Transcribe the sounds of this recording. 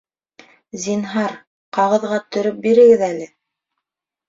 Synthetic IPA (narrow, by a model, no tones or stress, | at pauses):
zinɦɑɾ | qɑʁɤ̆ðʁɑt̪ɵ̆ɾɵp̚biɾɘ̆ɡɘðælɘ